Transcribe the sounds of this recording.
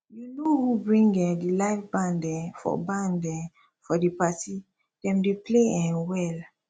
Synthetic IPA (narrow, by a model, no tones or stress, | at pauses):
junohubɹĩŋɡɛ̃dilaɪfbãndɛ̃fɔ̰bãndɛ̃ | fɔdipati | d̥ɛ̃mdepleɛ̃nwɛl